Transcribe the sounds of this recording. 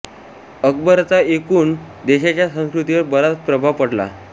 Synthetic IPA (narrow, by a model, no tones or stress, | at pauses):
əkbəɾt͡saekuːn | d̪eɕat͡ɕjasə̃w̃skɾut̪iʋəɾbəɾat͡spɾəbʱapəɽla̰